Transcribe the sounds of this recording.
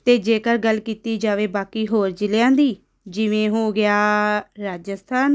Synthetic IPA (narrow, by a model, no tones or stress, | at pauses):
t̪eːd͡ʒeːkəɾɡəlːkiːt̪iːd͡ʒaːʋeːbaːkiːɦoːɾd͡ʒɪljãːnd̪iː | d͡ʒɪʋẽːɦoːɡɪaːɾaːd͡ʒəst̪ʰaːn